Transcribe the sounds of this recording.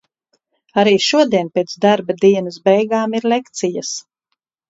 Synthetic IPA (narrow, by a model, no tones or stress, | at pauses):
aɾiːʃuɔd̪iɛnpeːt̪d̪aɾbad̪iɛnɐsbɛjɡaːmiɾlekt̪sijas